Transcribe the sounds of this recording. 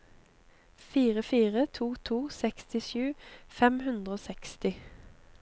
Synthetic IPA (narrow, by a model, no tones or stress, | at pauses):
fiːʁəfiːʁət̪ʰuːt̪ʰuːsɛkst̪ɪʃʉːfɛmhʉnd̪ʁəoːsɛkst̪ɪ